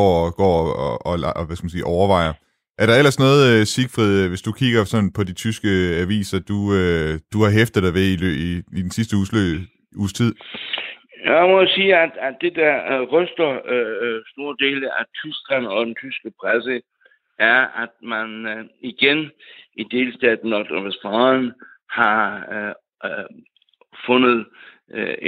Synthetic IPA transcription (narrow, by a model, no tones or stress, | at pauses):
ɒ̰ɡ̥ɒ̰ːɒʋæskmænsiːʔɒʊɐʋɑ̈ɪ̰ɐ | ʔæɐɾɑ̈el̰ɐsnɔ̽ːð̞̩ˠsiɡ̥fʁið̰ˠʋe̝sd̥ukʰiɡ̥ɐsɒ̽n̩pʰɒ̽d̥it͡sʰysɡ̥əæʋḭːsɐd̥uød̥uhɑ̈ɦefd̥əð̩ˠd̥ɑʋeiløiːd̥ensisd̥əuø | ṵːst͡sʰið̞̰ˠ | jaɪmɒjasiːæd̥æ̥ːe̝d̥æʁœsd̥ɐ | sd̥o̝ːɐd̥e̝ːləæt͡sʰysɡ̥ʁæn̩ɒ̽d̥ent͡sʰysɡ̥əpʰʁasə | ʔæɐæd̥̚mæniɡ̥enid̥e̝ːlsd̥ɛ̰ːd̥n̩ɒd̥ʁɑʋesfɑn | hɑ̈ | fɔ̽nð̞̩ˠ